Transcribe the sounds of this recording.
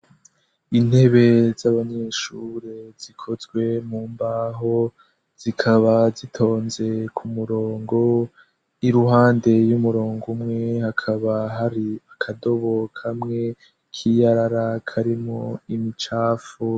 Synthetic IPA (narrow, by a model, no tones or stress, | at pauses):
in̥he̞βe̞zaβaɲe̞ʃuɾezikʰo̞zɡwe̞muːmbaɦo | z̥ikʰaβazitʰo̞ːnze̞kʰumuɾoːŋɡo̞ | iɾuɦaːnde̞jumuɾoːŋɡumŋe̞hakʰaβaɦaɾiakʰado̞βokʰamŋe̞ | kʰijaɾaɾakʰaɾimoimit͡ʃaːfu